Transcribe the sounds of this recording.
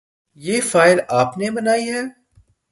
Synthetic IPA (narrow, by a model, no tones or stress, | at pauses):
jeːfaːɪlaːpnebɐnaːiɦɛː